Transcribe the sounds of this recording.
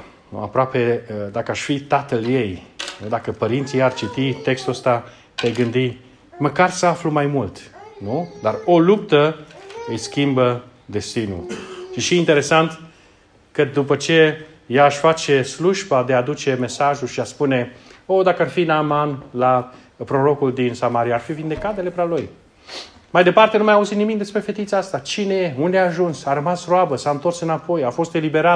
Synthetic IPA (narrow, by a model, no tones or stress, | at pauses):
ṵa̰pɾoaped̪akəaʃfit̪at̪əlje̞jnud̪akəpəɾint̪sijart͡ʃit̪it̪e̞kst̪uəst̪a | t̪ajɡɨnd̪i | məkarsəaflumajmult̪nud̪aro̞lupt̪əɨjskʲimbə | d̪e̞st̪inṵʃiʃiint̪e̞ɾe̞sant̪ | kəd̪upət͡ʃe̞ | jaːʃfat͡ʃe̞sluʒbad̪ead̪ut͡ʃe̞me̞saʒulʃiaspune̞o̞d̪akəarfinamanla | pɾo̞ɾo̞kuld̪insamaɾijaːrfivind̪e̞kat̪d̪ele̞pɾaloj | majd̪e̞part̪e̞numajauzit̪nimikd̪espɾe̞fe̞t̪it̪sast̪at͡ʃinejeund̪eaːʒunsaɾəmasroabəsaɨnt̪o̞rsɨnapo̞jafo̞st̪e̞libe̞ɾa